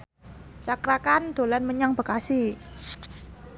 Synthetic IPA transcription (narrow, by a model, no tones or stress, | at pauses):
t͡ʃakɾakand̪̥o̤lanməɲaŋb̥ə̤kasi